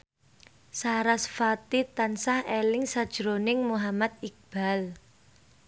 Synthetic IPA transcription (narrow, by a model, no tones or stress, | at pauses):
saɾasfat̪it̪ansahelɪŋsad̥ʒ̥ɾonɪŋmuɦamat̪̚ik̚b̥a̤l